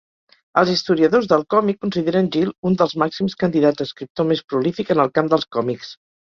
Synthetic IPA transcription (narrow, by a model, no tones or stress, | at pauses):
əlˠzist̪uɾiəðozðəlˠkɔmikːunsiðeɾənʲʒilˠund̪əlˠzmaksimskənd̪iðadd͡zd̪əskɾip̚t̪omespɾulifikənəlˠkamd̪əlˠskɔmiks